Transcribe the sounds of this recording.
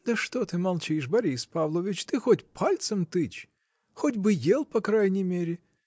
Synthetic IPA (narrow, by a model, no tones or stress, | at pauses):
d̪̥əʂt̪ot̪ɨmɐlˠt͡ɕiɪʂbɐɾʲispavlˠəvʲɪt͡ɕt̪ɨxotʲpʰalʲt̪səmt̪ɨt͡ɕ | xodʲbɨjelˠpɐkɾajnʲɪmʲeɾʲɪ